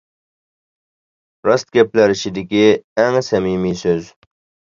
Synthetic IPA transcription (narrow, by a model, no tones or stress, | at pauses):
ɾɑst̪̚ɡʲɛplæɾɪʃid̪ɪkʲiæŋsɛmimisøz